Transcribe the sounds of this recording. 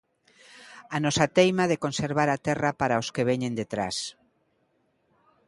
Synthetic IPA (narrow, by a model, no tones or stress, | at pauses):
anɔsat̪ejmaðekonseɾβ̞aɾat̪ɛrapaɾaoskeβ̞eɲẽnd̪et̪ɾa̰s